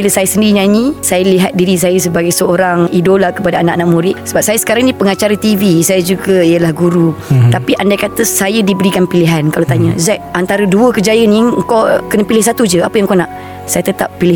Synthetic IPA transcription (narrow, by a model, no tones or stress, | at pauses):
biləsajasəndiɾiɲaɲĩsajaliɦat̪̚diɾis̬ajəsəbaɡajsəoɾaŋidolakəpadaanaʔanaʔmuɾɪʔsəbap̚sajasə̥kaɾaŋnĩpəŋat͡ʃaɾat̪ivisajad͡ʒuɡəijəlahɡuɾut̪apiʔandakat̪əsajədibəɾikanpiliɦankalat̪aɲəzaʔʔant̪aɾəduəkəd͡ʒajənĩəŋkokənəpilɪhs̬at̪ud͡ʒəapəjaŋkona̰ʔ | sajat̪ət̪ap̚ːilɪ